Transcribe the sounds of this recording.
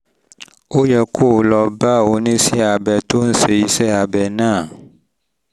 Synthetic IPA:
o˦jɛ˨kʰo˦˨lɔ˨ba˦wo˨nĩ˦si˦˨a˨bɛ˨to˦n̩˦se˨i˦sɛ˦a˨bɛ˨nã˦˨

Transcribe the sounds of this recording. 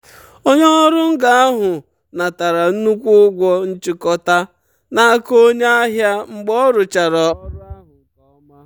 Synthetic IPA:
o˦ɲe˦ɔ˦ɾʊ˦ŋ̩˦ɡa˦a˦ɦʊ˨ | na˨ta˨ɾa˨n̩˦nu˦kʷʊ˦ɡʷɔ˦n̩˦t͡ʃɪ˦kɔ˦ta˦ | na˦ko˦ɲe˦a˦ɦja˦ŋ͡m̩˦ɡ͡bɔ˦ɾʊ˨t͡ʃa˨ɾɔ˦˨

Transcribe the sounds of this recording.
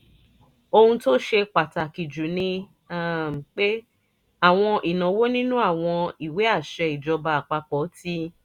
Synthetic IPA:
o˧hũ˧to˦ʃe˧k͡pa˨ta˨ki˨d͡ʒu˨nĩ˧˦ | m˨k͡pe˦ | a˦˨w̃ɔ̃˧ʔi˨nã˨˦wo˦nĩ˦nũ˦a˦˨w̃ɔ̃˧i˨we˨˦a˦˨ʃɛ˧i˨d͡ʒɔ˧ba˧a˨k͡pa˧k͡pɔ˨˦ti˦

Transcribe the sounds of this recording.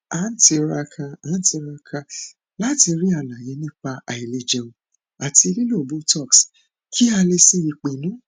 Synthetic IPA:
a˨˦n̩˦ti˧ɾa˧kʰã˧a˨˦n̩˦ti˧ɾa˧kʰã˧ | la˦ti˧ɾi˦a˦˨nã˨je˨˧˦nĩ˦k͡pa˧a˨i˨le˧d͡ʒẽ˧ũ˧ | a˨ti˧li˦lo˦˨bo˨˦tɔ˦˨ks | kʰi˦a˧le˧si˦i˧k͡pe˨nũ˦

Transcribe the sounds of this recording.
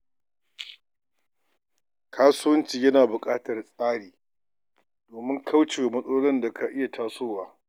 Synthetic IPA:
kʰaː˦sʊ˦wɐ˦nt͡ʃiː˨jɐ˦naː˨bʊ˨kʼaː˦tɐ˨rsʼaː˦ɽiː˨ | doː˨mɪ˦ŋkʰa˦wt͡ʃeː˨wmɐ˦sʼoː˦ɽɐ˦nda˨kʰa˨ʔɪ˦ja˨tʰaː˦soː˦˨waː˦

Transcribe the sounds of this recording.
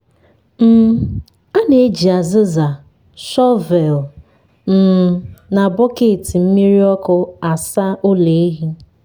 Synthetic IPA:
m̩˦˨˦ | a˦ne˨e˦d͡ʒi˨a˨zɪ˦za˨ | ʃɔ˦vɛ˨l | m̩˦˨na˨bɔ˦ke˨ti˨m̩˦mi˦ɾi˦ɔ˦kʊ˦a˨sa˦ʔo˦le˨e˦ɦi˦

